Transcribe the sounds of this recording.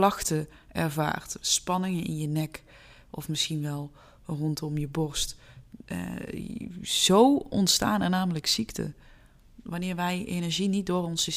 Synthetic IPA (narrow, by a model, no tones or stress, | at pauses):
lɑxtə | ɛ̰ɹva̰ːrtspɑnɪŋənɪ̰njənɛk | ɔfmɪsxinʋɛlˠ | rɔntɔmjəbɔɹstʔ | z̥owɔ̰ntsta̰ːnɛɹnaːmələksiktə̰ | ʋɑnɪːɹʋɛjḛjnɛɹʒinit̚dʊːrɔnsə